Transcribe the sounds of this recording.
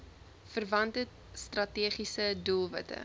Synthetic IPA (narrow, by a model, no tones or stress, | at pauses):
fərvɐntə | strɐtiːχisədulˠvə̰tə̰